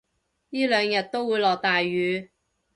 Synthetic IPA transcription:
jiː˥lœː˨˧ŋjɐ˨t̚t̪o˥wuː˨˧jlɔː˨k̚t̪aː˨jːyː˨˧

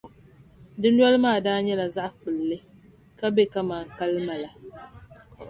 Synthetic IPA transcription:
dɨ˦nwɔ˦lɨ˦maː˦˨daː˦ɲɛ˦la˨za˦ʔk͡pɨ˨lːɨ˦ | ka˦be˦ka˦maː˨ŋ˨ka˦lɨ˦ma˨la˨

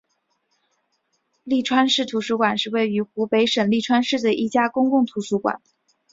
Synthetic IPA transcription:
li˥˩ʈ͡ʂʰwa˥nʂɻ̩˥˩t̪ʰu˧˥ʂu˧˥kwa˨˩nʂɻ̩˥˧we˥˩ɪy˧˥xu˧˥pe˧˥ɪʂə˨˩nli˥˩ʈ͡ʂʰwa˥nʂɻ̩˥˩d̪ə˩ʔi˥˩t͡ɕja˥kʊ˥ŋkʊ˥˩ŋt̪ʰu˧˥ʂu˧˥kwa̰˨˩˦n

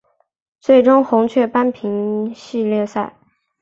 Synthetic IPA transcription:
t͡swe˥˩ɪʈ͡ʂʊ˥ŋxʊ˧˥ŋt͡ɕʰɥɛ˥˩pa˥npʰi˧˥ŋɕi˥˧ljɛ˥˧sa˥˩ɪ

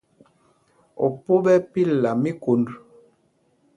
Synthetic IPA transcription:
ɔ˨po˦bɛ˦pi˦la˨mi˦ko˨˦nd

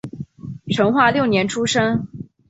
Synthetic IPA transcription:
ʈ͡ʂʰɤ˧˥ŋxwa˥˧ljo˥˩ʊnjɛ˧˥nʈ͡ʂʰu˥ʂə˥ŋ

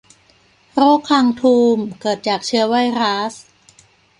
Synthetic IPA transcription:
ɾoː˥˩kʰːaː˧ŋt̪ʰuː˧mkɤː˨˩t̪̚t͡ɕaː˨˩k̚t͡ɕʰɯ˧˥ɐwa˥˩jɾaː˦˥s

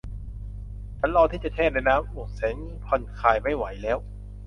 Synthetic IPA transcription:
t͡ɕʰa˨˦nlɔː˧t̪ʰiː˥˩t͡ɕa˨˩t͡ɕ̪ʰɛː˥˩na˧jnaː˦˥mʔoː˨˩k̚se˨˩˦ŋ | pʰɔ˧˩nkʰaː˨˩jma˥˩jwa˩˦jlɛː˦˥w

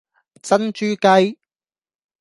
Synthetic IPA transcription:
t͡sɐ˥nt͡ʃyː˥kɐ˥j

